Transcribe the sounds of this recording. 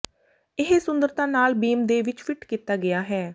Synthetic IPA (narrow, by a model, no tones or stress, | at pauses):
ɪɦsʊ̃nd̪əɾt̪ãːnaːlbiːmd̪eːʋɪt͡ʃfʰɪʈkiːt̪aːɡɪaːɦɛː